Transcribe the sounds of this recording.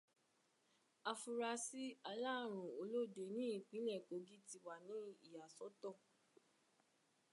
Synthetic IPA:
a˧fu˧ɾa˧si˦a˧la˦˨ɾ̃ũ˨o˧lo˦˨de˨˦nĩ˦i˦˨k͡pĩ˨˦lɛ˦˨ko˨˦ɡi˦ti˧wa˨nĩ˨˦i˦˨ja˨sɔ˨˦tɔ˦˨

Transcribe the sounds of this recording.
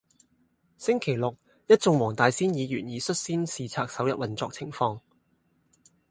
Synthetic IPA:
sɪ˥ŋkʰe˨˩jlʊ˨k̚ | jɐ˥t̚t͡sʊ˧ŋwɔː˨˩ŋt̪aː˨˧jsiː˥njiː˨˧jyː˨˩njiː˨˧sɵ˥t̚siː˥nsiː˨˧t͡sʰaː˧k̚sɐ˨˥wjɐ̰˨˥wɐ˨nt͡sɔː˧k̚t͡sʰɪ˨˩ŋfɔː˧ŋ

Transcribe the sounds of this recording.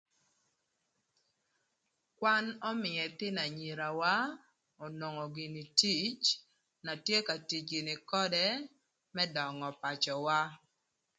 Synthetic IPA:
kwa˦nɔ˦mɪ˨ɛ˨t̪ɪ˦na˨ɲi˨ɾa˨wa˦ | o˨no˨ŋɔ˨ɡɪ˨ni˨ti˦t͡ʃ | na˨tje˦ka˨ti˨t͡ʃɡɪ˨nɪ˨kɔ˦dɛ˦ | mɛ˦dɔ˨ŋɔ˨pa˨t͡ʃɔ˨wa˦

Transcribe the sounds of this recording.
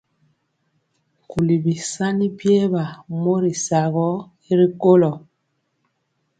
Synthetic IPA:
ku˨li˨bi˨sa˦ni˦pje˦ba˨mo˦ɾi˨sa˨ɣɔ˦ | i˦ɾi˦ko˦lɔ˨

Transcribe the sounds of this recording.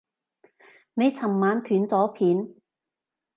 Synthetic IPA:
ne˨˧jt͡sʰɐ˨˩mmaː˨˧nt̪ʰyː˨˥nt͡sɔː˨˥pʰiː˨˥n

